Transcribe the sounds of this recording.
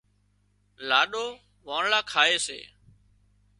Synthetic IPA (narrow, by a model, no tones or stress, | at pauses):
laːɗoː | ʋaːɳlaːkʰaːeːsḛː